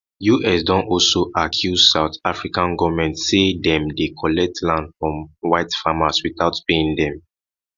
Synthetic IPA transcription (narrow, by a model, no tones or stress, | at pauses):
juʔɛs̬dɔ̃nɔlsoʔakʰjuzsaʊtafɹikãnɡɔvmɛ̃ntsedɛ̃mdekʰɔlɛk̚tʰlãndfɹɔ̃mwaɪtfamaswiθaʊtpeĩŋdɛ̃m